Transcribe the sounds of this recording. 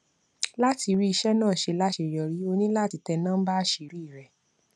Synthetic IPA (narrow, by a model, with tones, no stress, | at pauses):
la˦ti˧ɾi˦i˧ʃɛ˦nãː˦˨ʃe˧la˦ʃe˧˨jɔ˧ɾi˨˦o˧nĩ˦la˦˨ti˧tɛ˧nã˦ba˦ʃe˧ɾi˦˨ɾɛ˨